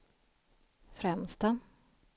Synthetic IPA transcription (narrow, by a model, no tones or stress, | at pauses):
fɾɛmst̪a